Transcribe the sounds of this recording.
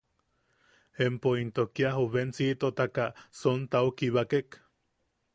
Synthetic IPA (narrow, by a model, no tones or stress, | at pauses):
empoint̪okiaɦuβent͡sit̪ot̪akasont̪aukiβakek